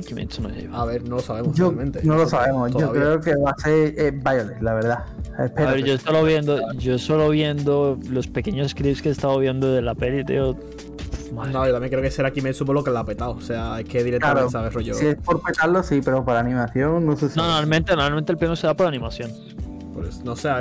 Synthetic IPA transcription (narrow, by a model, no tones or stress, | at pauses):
kimʔḛt̪sono̰ʝḛβaβeɾnolosaβemosd͡ʒolmẽnt̪enolosaβemostookɾeokeβaseɾebaʝolelaβe̞ɾðaḛpeɾβeɾd͡ʒoest̪oloβje̞nd̪oʝo̞soloβje̞nd̪olo̞speke̞ɲosskɾipskest̪aðoβje̞nd̪oðelape̞lit̪ḛo | nojot̪amjeŋkɾeokeseɾakimesupolokelapet̪aoseaekʰeðiɾeklaɾosaβeroʝoiespo̞ɾpet̪alosipe̞ɾopaɾanĩmaθjoŋnosesnonoɾalmẽnt̪enoɾalmẽnt̪elpeŋose̞ðapoɾanĩmasjo̞n | poesnosea